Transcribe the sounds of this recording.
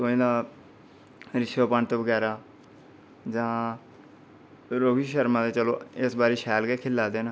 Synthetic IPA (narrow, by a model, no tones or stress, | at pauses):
soːĩːd̪aː | ɾɪʃoːpəɳt̪eːʋəɡɛːɾaː | d͡ʒãː | ɾoːɡiːʃəɾmãːd̪eːt͡ʃəloːɪsbaːɾiːʃɛːlkeːkʰɪlːaːd̪eːnː